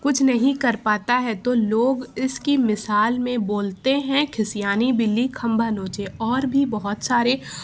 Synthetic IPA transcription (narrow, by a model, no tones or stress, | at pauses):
kʊt͡ʃʰnɐɦĩkɐɾpaːt̪aɦɛt̪oloːɡɪskimɪsaːlmẽboːlt̪eɦɛ̃kʰɪsijaːnibɪlːikʰɐ̃mbʱanoːt͡ʃeʔɔːɾbʱibɔɦʊt̪saːɾe